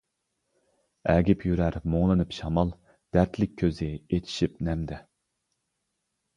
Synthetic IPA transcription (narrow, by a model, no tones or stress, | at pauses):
ɛːɡʲipʰjyɾæɾmoŋlˠɨnɨpʃɑmɑlˠ | d̪̥æɾt̪ʰlɪk̚ʲʰːøzɪet̪ʰi̥ʃip̚nɛmd̪ɛ